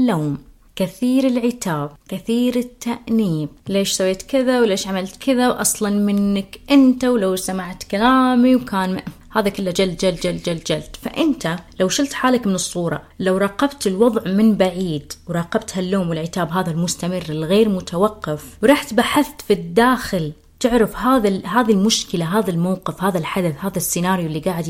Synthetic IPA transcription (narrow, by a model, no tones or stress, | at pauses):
lːoːm | kɪθiːɾɪlʕɪt̪aːb̚kɪθiːɾɪt̪ːaʔniːmleːʃsawːeːt̪kɪðawleːʃʕamalt̪kɪðawʔɑsˤlɑnmɪnːɪkʔɪnt̪awlawsamaʕt̪kalaːmiwkaːn | haːðakɪlːad͡ʒald͡ʒald͡ʒald͡ʒald͡ʒalt̪fa̰ʔɪnt̪alawʃɪlt̪ħaːlakmɪnɨsˤːuːɾˤɑ̰ | lawɾˤɑːqɑbt̪ɪlwɑðˤʕmɪnbaʕiːd̪wɾˤɑːqɑbt̪halːoːmwɪlʕɪt̪aːbɦaːðalmʊst̪amɪrːɪlɣeːɾmʊt̪ʰawɑqːɑfwɾˤɑːħt̪baħɪθt̪fid̪ːaːxɪl | t̪ɪʕɾɪfhaːðaɦaːðilmʊʃkɪlaɦaːðalmawqɪfhaːðalħad̪aθhaːðasːɪnaːɾjlːiɡaːʕɪd̪